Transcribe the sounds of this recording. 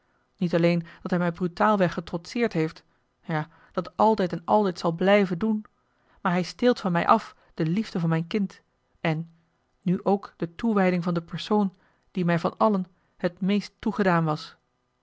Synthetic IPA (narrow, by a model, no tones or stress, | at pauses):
nitɑlejnd̥ɑtɦɛjmɛjbrytaːlˠʋɛχətrɔtsɪːɹtɦejft | jaː | d̥ɑtɑlˠtɛjtɛnɑ̰lˠtɛjtsɑlˠblɛjvəndun | maːɹɦɛjstɪːlˠtfɑnmɛ̰jʔɑf | d̥əlivdəvɑnmɛjnkɪnt | ɛnː | yʔowkd̥ətuʋɛjdɪŋvɑndəpɛɹsown | d̥imɛjvɑnɑlən | hətmejstːuχədaːnʋɑs